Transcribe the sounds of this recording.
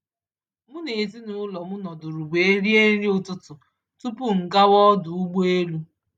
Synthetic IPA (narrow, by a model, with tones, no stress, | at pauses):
mʊ˦ne˨zi˦nʊ˨˦lɔ˨mʊ˦nɔ˨dʊ˨ɾʊ˨ɡ͡be˨e˦ɾi˦e˦ɾi˦ʊ˦˨tʊ˦tʊ˨ | tu˦pʊ˦ŋ̩˨ka˦wɔ˦dʊ˨u˦ɡ͡be˦lu˦